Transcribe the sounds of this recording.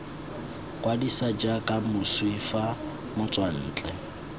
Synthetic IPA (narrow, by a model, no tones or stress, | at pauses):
kʼwadisad͡ʒakʼamʊswifa | mʊt͡sʼwan̩ːt͡ɬʼɛ